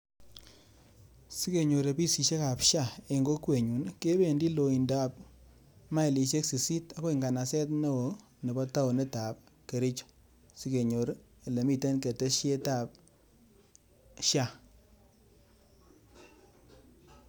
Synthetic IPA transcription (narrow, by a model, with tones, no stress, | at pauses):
si˦ke˨ɲo˨ɾe˨pi˦si˨ʃe˦ka˨pʃa˦˨e˨ŋɡo˦kwe˨ɲu˨nke˦be˦˨ndi˦lo˨i˨nda˦p̚ | ma˦i˨li˨ʃe˦ksi˨si˦ta˦ko˦i˨ŋɡa˨na˨sɛ˦tne˦wo˨ | ne˨bɔ˦ta˦o˨ne˦ta˨p̚ | ke˨ɾi˦t͡ʃ | si˦ke˨ɲo˨ɾ | e˨le˨mi˦te˦nke˨te˦ʃe˦ta˦˨p̚ | ʃja˦˨